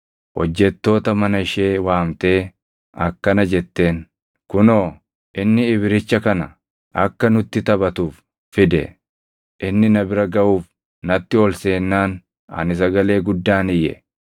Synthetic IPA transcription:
hɔ̰d͡ʒːɛt̪ːo̞ːt̪ɐmɐnɐɪʃe̞ːwaːmt̪e̞ː | ɐkːɐnɐd͡ʒɛt̪ːe̞ːn | kʊnoː | ʔɪnːɪːβɪɾɪt͡ʃːɐkɐnɐ | ʔɐkːɐnʊt̪ːɪt̪ɐbɐt̪uːf | fɪd̪ɛ̰ | ʔɪnːɪnɐbɪɾɐɡɐʔuːf | nɐt̪ːɪɔlse̞ːnːaːn | ɐ̰nɪs̬ɐɡɐle̞ːɡʊd̪ːaːnɪjɛ̰

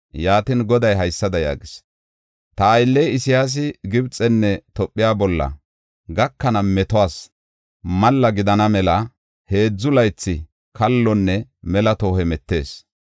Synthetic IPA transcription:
jaːt̪ɪnɡɔd̪ɐjɦɐjsːɐd̪ɐja̰ːɡɪs | t̪ɐːjlːɛjɪsɪjaːs̬ɪɡɪbt͡sʼɛnːɛt̪ɔpʼːɪjaːbɔlːɐ̰ | ɡɐkːɐnɐmɛt̪ɔwaːs | mɐlːɐɡɪd̪ɐnɐmɛlɐ | he̞ːd͡zːʊlɐjt͡sːɪ | kɐlːɔnːɛmɛlɐt̪o̞ːhɛmɛt̪ːe̞ːs

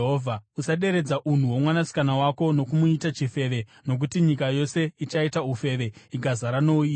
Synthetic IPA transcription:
ɦoːvʱausaɗe̞ɾe̞d͡zaʔun̤uwo̞mwanasi̥kanawako̞no̞kumuitat͡ʃife̞ʋe̞no̞k̬utiɲikajo̞se̞it͡ʃaitaufe̞ʋe̞iɡʱazaɾanoi

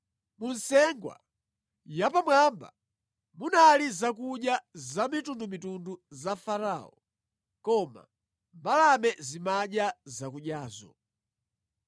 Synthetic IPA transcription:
munsɛŋɡwa̰ | japamwamba̰ | munalizakuɗjazamitundumitunduzafaɾaːɔ̰ | kɔma̰ | mbalamɛzimaɗjazakuɗjaːzɔ̰

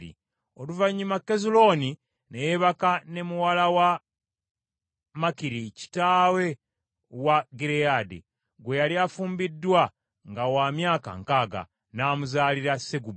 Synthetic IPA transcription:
ḭ | o̞luvaɲːumakːe̞zulo̞ːni | nejeβakane̞muwalawa | makiɾici̥taːwe̞ | waɡiɾejaːdḛ | ɡwe̞jaliafuːmbidːwa | ŋɡawaːmjaːka̰ŋkaːɡa̰ | naːmuzaːliɾaseɡub

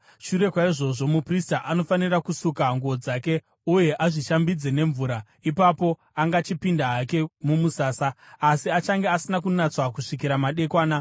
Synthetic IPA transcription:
ʃuɾe̞kwaiʐo̞ʐo̞mupristaʔano̞fanirakusukaŋɡuod͡zaːke̞ | uje̞ʔaʐiʃambid͡ze̞ne̞ɱvuːɾa | ipapo̞ | aŋɡat͡ʃipindaːke̞mumusaːsaːsiat͡ʃaŋɡeasinakunat͡swakuʂik̬iɾamaɗe̞kwaːna

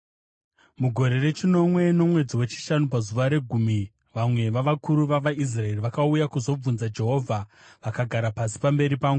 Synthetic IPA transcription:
muɡʱo̞ɾe̞re̞t͡ʃino̞mwe̞no̞mwe̞d͡ziwe̞t͡ʃi̥ʃanupazuʋaɾe̞ɡʱumi | ʋamwe̞ʋaʋakuɾuʋaʋais̬rae̞riʋakaujakuzo̞b͡vunzad͡ʒe̞ɦo̞ːvʱa | ʋakaɡʱaɾapasi̥pambe̞ɾipaːŋɡu

